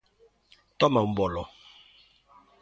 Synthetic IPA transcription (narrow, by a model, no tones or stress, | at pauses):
tɔmabɔlɔ